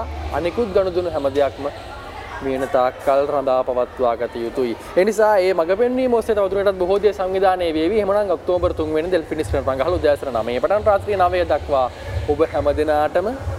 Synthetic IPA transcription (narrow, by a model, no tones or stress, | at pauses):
a̰nikut̪̚ɡanud̪unuɦɛməd̪ejakmə | miənɐt̪aːkːalɾad̪aːpɐʋat̪ʋaːɡɐt̪ɐjut̪ui | enisaːeːmaɡəpenːiːmoːset̪ɐʋad̪uneʈat̪̚buɦoːd̪esaŋʋid̪aːneːʋeːʋieɦemənaŋok̚t̪oːbəɾt̪uŋɡʋenːid̪elpinispenɾaŋɡaɦalud̪jaasɐɾɐəna̰məjepɐʈanɾaːt̪ɾiːənaʋejəd̪akʋaː | obəɦɛməd̪enaːʈəmə